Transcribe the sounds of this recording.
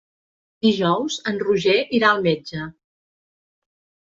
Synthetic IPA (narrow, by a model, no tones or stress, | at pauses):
d̪iʒɔwzənruʒeʔiɾaəlˠmed͡ʒə